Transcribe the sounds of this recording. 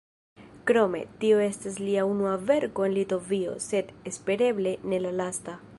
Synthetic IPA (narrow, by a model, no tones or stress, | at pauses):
kɾomḛt̪ioest̪esliaunuaveɾkoenlit̪ovio̰set̪espeɾeβle̞nelalast̪a